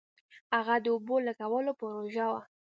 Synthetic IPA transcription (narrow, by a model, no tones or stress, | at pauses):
haɣad̪əobolakawəlopəɾoʒawa